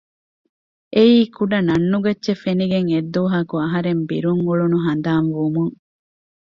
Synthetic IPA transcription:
ʔeiːkuɖɐnɐnːuɡɐtːʃefeniɡeŋed̪ːuːɦɐkuɐɦɐɾembiɾuŋuɭunuɦɐnd̪aːnʋumuŋ

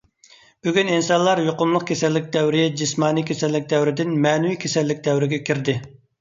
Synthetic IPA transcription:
b̥yɡʲyninsɑnlˠɑɾjoqʊmlˠəqkʲʰesɛlːɪk̚ʲd̪ɛwɾɪd͡ʒismɑːnikʲʰesɛlːɪk̚ʲd̪ɛwɾɪd̪ɪnmɛːnɪwikʲʰesɛlːɪk̚ʲd̪ɛwɾɪɡʲɛkʲʰiɾd̪ɪ

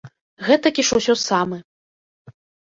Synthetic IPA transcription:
ɣɛt̪ɐkʲiʂɐwsʲɔsamɨ

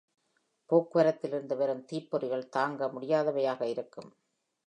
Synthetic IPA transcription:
poːkːɯʋɐɾɐt̪ːɪlɪɾɯnd̪ɯʋɛɾɯmt̪iːpːɔɾɪɣɐɭt̪aːŋɡɐmʊɽɪjaːðɐʋɐjaːɣɐɪɾɯkːɯm

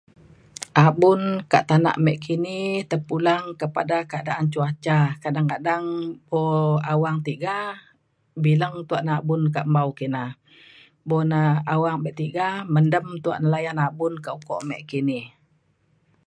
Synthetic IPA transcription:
ʔabʊnka̰ʔt̪ana̰ʔmɛʔkʰinit̪əpulaŋkəpadakəadaʔant͡ʃuat͡ʃakadaŋkadaŋbɔawaŋt̪iɡa | biləŋt̪uaʔnaabʊnkaʔmbaukina | bɔnaawaŋbɛʔt̪iɡaməndəmt̪ua̰ʔnəlajanabʊnkaʔukɔ̰ʔmɛ̰ʔkini

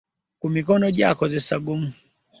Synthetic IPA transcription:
kumikɔnɔʄa̰kɔzɛsaɡum̩

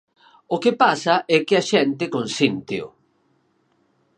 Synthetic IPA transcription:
okepasaʔɛkɪaʃɛnt̪ɪkonsint̪eʊ̰

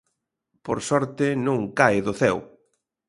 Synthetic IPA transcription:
poɾsɔɾt̪ɪnũŋkaeðʊθɛw

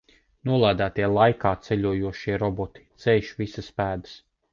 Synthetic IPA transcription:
nuɔlˠaːd̪æːt̪iɛlˠajkaːt̪sɛʎʲuɔjuɔʃiɛɾɔbɔt̪i̥t̪sɛjʃvisɐspæːd̪ɨs

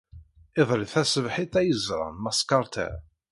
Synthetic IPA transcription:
ɪðˤɾɪθæsəvħit̪æjəzɾˤɑ̰nmɑskɑɾˤt̪æ̰

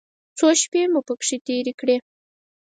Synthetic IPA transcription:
t͡soʃpemupəkʂit̪eɾekɽe

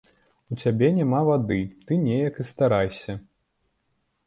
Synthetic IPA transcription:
ut͡sʲabʲɛnʲamavad̪ɨt̪ɨnʲɛjɐkɨst̪aɾajsʲɐ

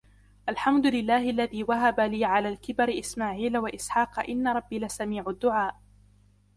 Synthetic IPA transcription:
ʔalħamd̪ʊlɪlːaːhɪʔalːaðiːwaɦabaliːʕalaːlkɪbaɾɪʔɪsmaːʕiːlawaʔɪsħɑːqɑʔɪnːaɾˤɑbːilɪsamiːʕʊd̪ːʊʕaːʔ

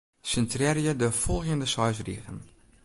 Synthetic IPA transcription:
səntrɛrjədəfɔlˠxjəndəsɔjsrḭɣən

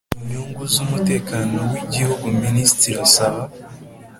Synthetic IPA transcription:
iɲuːŋɡuzumute̞ːkaːno̞wiɟihuɡuministiɾasaβa

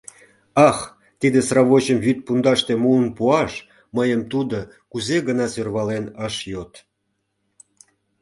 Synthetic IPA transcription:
ɑx | t̪id̪esrɑβot͡ɕəmvyt̪̚pund̪ɑʃt̪emuənpuɑʃ | məjəmt̪ud̪o | kuzeɣənɑsørβɑlenəʃjot̪

